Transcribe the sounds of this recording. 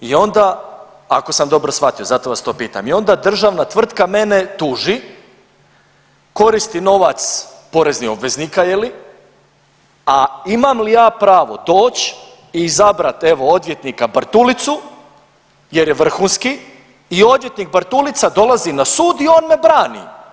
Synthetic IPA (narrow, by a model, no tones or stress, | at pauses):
io̞nd̪a | a̰ko̞samd̪o̞bɾo̞sfʋat̪io̞zat̪o̞ʋast̪o̞ːpiːt̪a̰mio̞nd̪ad̪r̩ʒaʋnat̪ʋr̩t̪kame̞net̪uːʒi | ko̞ɾist̪ino̞ʋat̪spo̞ɾe̞znixo̞bʋe̞zniːkajeli | aimamlijaːpɾaːʋo̞d̪o̞ːt͡ɕ | izabɾat̪e̞ʋo̞od̪ʋʲje̞t̪nikabr̩t̪ulit̪su | je̞ɾjeʋr̩xuːnskiː | o̞d̪ʋje̞t̪nik̚bɾt̪ulit̪sad̪o̞lˠazinasuːd̪io̞ːnme̞bɾaːnḭ